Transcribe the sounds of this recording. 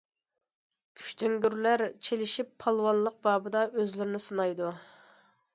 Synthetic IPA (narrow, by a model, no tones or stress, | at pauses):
kʲʰy̥ʃt̪ʰøŋɡʲyɾlæɾt͡ʃʰelɪʃipʰːɑlˠwɑnlˠəq̚bɑːbɨd̪ɑøzlyɾɪnɪsɨnɑjd̪u